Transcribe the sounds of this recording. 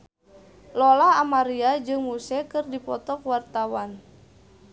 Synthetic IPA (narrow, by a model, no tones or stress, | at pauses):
lɔlaamaɾiad͡ʒɨŋmusɛkɨrdipɔt̪ɔkwart̪awan